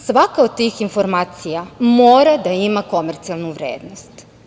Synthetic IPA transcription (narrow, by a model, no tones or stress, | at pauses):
sʋakaod̪̚t̪ːiːxinfo̞ɾmaːt̪sijamoːɾad̪aimako̞meɾt̪sialˠnuʋɾeːd̪nost̪